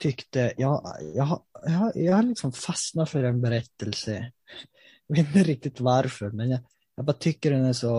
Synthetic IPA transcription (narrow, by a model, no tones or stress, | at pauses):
t̪ʰʏkt̪əjɑjɑ̰ajɑhajɑhaɾlɪksɔmfasnafœɾɛnbɛɾɛt̪ːəlsə | jjɑɡveːt̪ɪnt̪əɾɪk̚t̪ɪt̪vaɾfœɾmɛnjɑ | jɑbɑːɾat̪ʰʏkːəɖɛnæʂɔ